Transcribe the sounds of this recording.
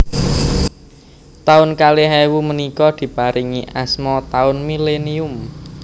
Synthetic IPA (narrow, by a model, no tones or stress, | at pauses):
t̪aʊnkaleɦɛwumənikɔd̪̥i̤paɾʔiŋiʔasmɔt̪aʊnmileniʊm